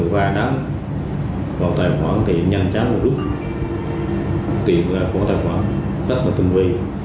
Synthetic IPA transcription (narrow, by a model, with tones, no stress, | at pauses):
ɓaː˧na˨˦m | vaː˨˩wt̪aː˨jxwa̰ː˧˦nt̪ḭ˧˨ənɲa˧nt͡ɕa˨˦ŋ˨˩zu˦˥k͡p̚ | t̪ḭ˨ənlaː˨˩kɔ̰˧˦t̪aː˨˩jxwa̰ː˧˩˦n | zə˦˥t̚laː˨˩t̪ɨ˧˩ŋvi˧